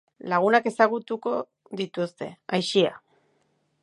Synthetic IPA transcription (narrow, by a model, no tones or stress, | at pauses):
laɣ̞unake̞saɣ̞ut̪uko̞ | ðit̪ust̪e̞̰ajʃia̰